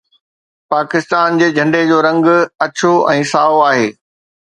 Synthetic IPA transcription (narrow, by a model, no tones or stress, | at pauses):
paːkɪst̪aːnd͡ʑeːd͡ʑʱɐ̃ɳɖed͡ʑoːɾɐ̃ŋɡɐt͡ɕoɛ̃ːsaːoaːɦeː